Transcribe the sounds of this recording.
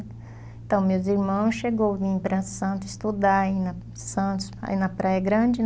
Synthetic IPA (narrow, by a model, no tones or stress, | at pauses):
ẽt̪ɐ̃w̃mewziɾmɐ̃w̃sʃeɡowvĩpɾɐsɐ̃nt̪ʊɪst̪ud̪aainɐ | sɐ̃nt̪ʊsa̰inɐpɾajɐɡɾɐ̃d͡ʒɪ